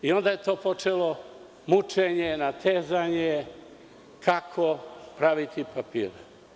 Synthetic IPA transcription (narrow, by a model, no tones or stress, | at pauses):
io̞nd̪aje̞t̪o̞ːpo̞t͡ʃelo̞ | mut͡ʃeɲenat̪eːzaɲe | kʰakʰopɾaʋit̪ipapḭːɾe